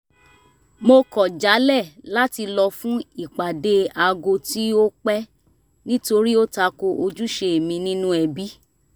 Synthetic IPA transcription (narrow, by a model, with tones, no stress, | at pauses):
mo˧kɔ˨d͡ʒa˨˦lɛ˦˨la˦ti˧lɔ˧fũ˦i˦˨k͡pa˨de˨˦a˧ɡo˧ti˦o˦k͡pɛ˦ | nĩ˦to˧ɾi˦o˦ta˧ko˧ʔo˧d͡ʒu˦ʃe˧e˨mĩ˧nĩ˦nũ˦ɛ˧bi˦